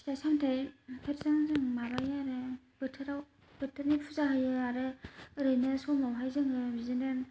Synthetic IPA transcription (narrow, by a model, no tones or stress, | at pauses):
sasamtʰajkʰeɾzaŋzɯŋmabajaɾɯ | b̥ɯtʰɯɾaw | bɯtʰɯɾnipʰuzaɦɯjɯaɾɯɾɯjnɯsɔmawɦajzɯŋɯbizɯnɯn